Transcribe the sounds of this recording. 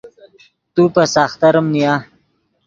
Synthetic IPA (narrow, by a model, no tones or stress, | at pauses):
t̪upəsaːxt̪aɾəmnija